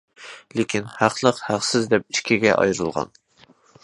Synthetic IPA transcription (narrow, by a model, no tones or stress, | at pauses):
lekʲinhæqlˠəqhæχsɪzd̪ɛp̚i̥ʃkʲʰiɡʲɛʔɑ̰jɾɨlˠʁɑ̰n